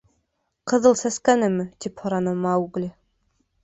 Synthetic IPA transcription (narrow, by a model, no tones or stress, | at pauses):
qɤ̆ðɤlˠsæskænɘmːɘt̪iphŏɾɑnɤmɑuɡlʲɘ